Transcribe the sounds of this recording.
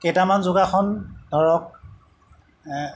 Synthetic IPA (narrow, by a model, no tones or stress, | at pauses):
kejtamanzʊɡakʰɔndʱɔɹɔk̚